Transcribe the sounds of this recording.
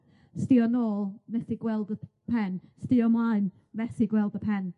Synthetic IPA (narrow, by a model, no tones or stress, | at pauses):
stiɔnoːlˠmɛθiɡwɛlˠdə | pʰɛnstiɔnmajn | mɛθiɡwɛlˠdəpʰɛn